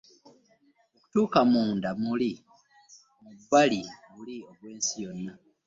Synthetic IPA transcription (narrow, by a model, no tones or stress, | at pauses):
oku̥tuːkamuːndamuli | mubaliβulio̞βwe̞ːnsijo̞nːa